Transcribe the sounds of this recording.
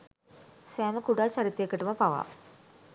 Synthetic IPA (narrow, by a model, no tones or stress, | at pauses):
seːmɐkuɽaːt͡ɕɐɾit̪ːjekːiʈːumɐpɐʋa̰